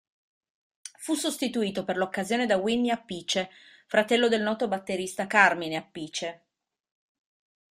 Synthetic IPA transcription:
fusːost̪it̪uiːt̪operlokːazjoːned̪awinːiapːiːt͡ʃefɾat̪ɛlːod̪elnɔːt̪obat̪ːeɾist̪akarmineapːiːt͡ʃe

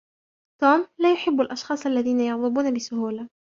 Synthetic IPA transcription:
t̪uːmlaːjʊħɪbːalʔɑʃxɑːsˤʔalːaðiːnajɑɣðˤɨbuːnabɪsʊhuːla

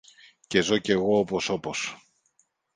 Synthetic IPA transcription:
ce̞zoce̞ɣo̞opo̞so̞po̞s

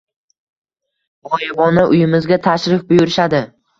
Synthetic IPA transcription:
ɒjʁɒnaʔʊjɪmɪzɡʲat̪ʰaʃɾɪfbʊjʊɾɪʃad̪ɪ

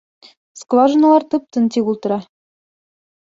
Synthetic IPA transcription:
skvɑʒɤ̆nɤ̆lˠɑrt̪ɯp̚t̪ɤ̆nt̪ʲiɣulˠt̪ɤ̆ɾɑ

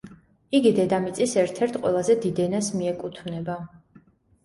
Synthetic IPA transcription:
iɡid̪ɛd̪amit̪sʼisɛɾt̪ʰɛɾt̪ʰqʼwɛlˠazɛd̪id̪ɛnasmiɛkʼut̪ʰvnɛba

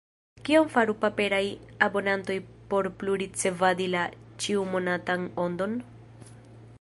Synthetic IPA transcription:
kionfaɾupape̞ɾajabo̞nanto̞jpo̞ɾpluɾit͡se̞vad̪ilat͡ʃiumo̞natano̞nd̪o̞n

